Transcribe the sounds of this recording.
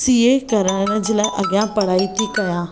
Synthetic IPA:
siːekɐɾəɽ̃ənə̆d͡ʑɪlãʔɐɡjãpɐɽ̤aːit̪ʰikɐjãː

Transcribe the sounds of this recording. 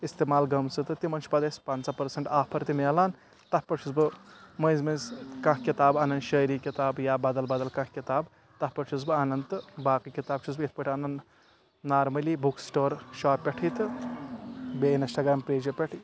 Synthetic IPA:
ist̪emaːlɡɐmsɨt̪ɨt̪imɐnt͡ʃʰpɐd̪espansapɐɾsɐɳʈaːpʰɐɾt̪imelaːn | t̪ɐpɐt͡ʃʰusbɨmɐ̃zmɐzkɐ̃kʰkit̪aːbɐnɐnd̪ʃəːɾikit̪aːbjaːbɐd̪ɐlbɐd̪ɐlkɐ̃kʰkit̪aːb | t̪ɐpɐt͡ʃʰuzbɨɐnɐnt̪ɨbaːkikit̪aːbt͡ʃʰusbit̪ʰpɐʈʰiɐnɐn | naːɾmɐliːbuksʈoːɾʃaːpːʲeʈʰit̪ɨ | beinisʈaɡɾaːmpɾeːd͡ʒɐpʲeʈʰi

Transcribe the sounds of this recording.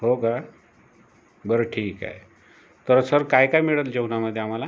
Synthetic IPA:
ɦoɡa | bəɾəʈʰiːka̰e | t̪əɾsəɾkajkajmiɭət̪ld͡ʑewnaməd̪ʱːjeam̤ala

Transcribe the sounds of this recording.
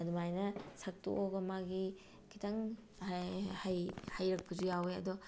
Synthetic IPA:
ɐdɔmajnɐsak̚to̰ʔoɡɐmaɡi | kʰitaŋ | hajhajɾɐk̚pʰuzujaweɐ̰dɔ

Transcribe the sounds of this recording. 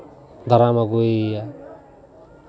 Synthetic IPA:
d̪aɾamaɡuja

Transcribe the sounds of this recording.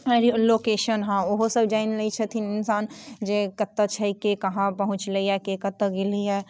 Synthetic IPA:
ɾiloːkeːʃənɦãoɦosəbd͡ʒaːɪnləit͡ʃʰət̪ʰinɪnsaːnd͡ʒekɐt̪ːət͡ʃʰɐikekɐɦãpɐɦʊ̃t͡ʃləiɛkekɐt̪ːəɡɪliɦɛː

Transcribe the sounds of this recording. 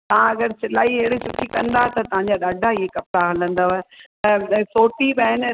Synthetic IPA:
t̪ɐʋ̤ãɐɡəɾsɪlaːieɦɪɽit͡ɕʊkʰikɐ̃nd̪aɦet̪ɐt̪ɐʋ̤ãɲ̆d͡ʑaɗaːɖʱaiɦekɐp̚ɾaɦɐlə̃nd̪aʋaet̪ɐsoːʈibaːɦɪn

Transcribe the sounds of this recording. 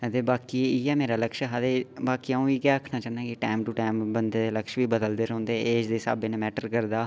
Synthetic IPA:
ɦət̪eːbaːkiːiːɛːmeːɾaːləkʃɦəd̪eːbaːkiːaũːiːɡɛːəkʰnaːt͡ʃaːnãːkɪʈaːɪmʈʊʈaːɪmbənd̪eːd̪eːləkʃʋiːbəd̪əld̪eːɾõːnd̪eːeːd͡ʒd̪eːsa̰ːbeːnẽmɛːʈəɾkəɾd̪aː

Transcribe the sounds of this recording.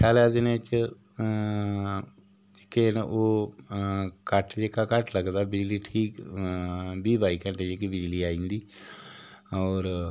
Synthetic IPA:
kʰaːled͡ʒnet͡ʃ | d͡ʒɪkeːnʔoː | kəʈd͡ʒeːkaːkəʈʰləɡd̪aːbɪd͡ʒliːʈʰiːk | biːbaːikɛ̃ɳʈed͡ʒekibɪd͡ʒliːaːĩːnd̪iː | ɔːɾ

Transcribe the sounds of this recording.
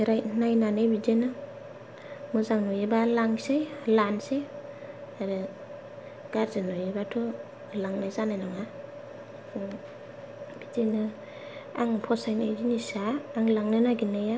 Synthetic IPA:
ɾajnajnanɯjbid͡ʒenɯ | mɯzaŋnɔjebalaŋsejlansej | aɾɯ | ɡ̥aɾzɯnɔjebatʰu | laŋnajzanajnaŋa | b̥id͡ʒenɯ | a̰ŋpʰɔsajnajd͡ʒinisaːŋlaŋnɯnaɡinɯja

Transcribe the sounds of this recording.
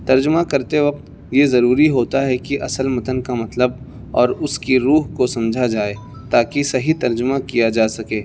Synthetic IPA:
t̪ɐɾd͡ʒʊmakɐɾt̪eʋɐq̚t̪ | jezɐɾuːɾiɦoːt̪aɦɛkiʔɐsəlmɐt̪ənkamɐt̪ləb̚ | ɔːɾʊskiɾuːɦkosɐ̃md͡ʒʱad͡ʒaːe | t̪aːkisɐɦit̪ɐɾd͡ʒʊmakijad͡ʒaːsɐkeː

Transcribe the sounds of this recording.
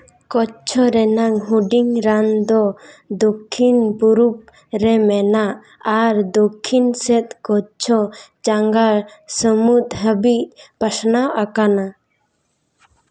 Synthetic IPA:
kɔt͡ʃʰɔɾɛnaŋɦuɖiŋɾand̪ɔd̪okʰːinbuɾup̚ | ɾɛmɛnaʔ | aɾd̪okʰːinsɛt̪̚kɔt͡ʃʰɔt͡ʃaŋɡalsəmut̪ɦəbiʔpasnawʔakana

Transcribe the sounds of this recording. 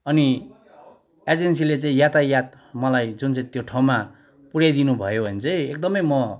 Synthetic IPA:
ʌni | ed͡zensilet͡saĩjat̪ajat̪̚ | mʌlajd͡zunt͡sãĩt̪joʈʰaw̃ma | puɽjajd̪inubʱʌjobʱʌnt͡sʌj̃ek̚d̪ʌmʌjmʌ

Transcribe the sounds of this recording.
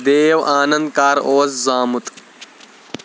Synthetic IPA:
d̪eːjɐwʔaːnɐnd̪kaːɾoːzzaːmut̪

